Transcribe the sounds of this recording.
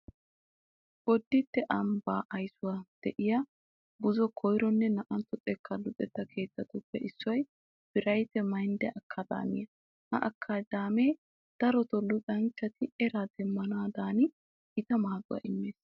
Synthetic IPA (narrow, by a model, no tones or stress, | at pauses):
ɡ̥ɔd̪ːɪt̪ːɛʔɐmbaːʔɐjsʊwad̪̥ɛʔɪjɐ | bʊzɔkʰɔjɾɔnːɛnɐʔɐnt̪ːɔt̪ʼɛkːɐlʊtʼɛt̪ːɐkʰe̞ːt̪ːɐt̪ʊpːɛʔɪsːʊwɐj | b̥ɪɾɐjt̪ɛmɐjnd̪ɛʔɐkʰːɐd̪a̰ːmɪ̰jɐ | hɐ̰ʔɐkʰːad̪aːmeː | d̪̥ɐɾɔt̪ɔlʊkʼɐnt͡ʃːɐt̪ɪɛɾad̪ɛmːɐnaːd̪aːnɪ | ɪt̪ɐmaːɡʊ̰wɐ̰ʔɪmːeːs